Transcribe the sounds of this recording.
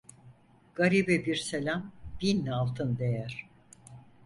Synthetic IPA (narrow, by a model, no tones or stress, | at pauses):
ɡ̥aɾibɛbiɾselʲambinːalˠt̪ʰɯnd̪ejæɾ̥